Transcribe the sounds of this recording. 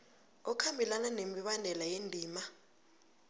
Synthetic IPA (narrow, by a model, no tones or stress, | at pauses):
ɔkʰambʱilananemiɓandʱɛlajendʱiːma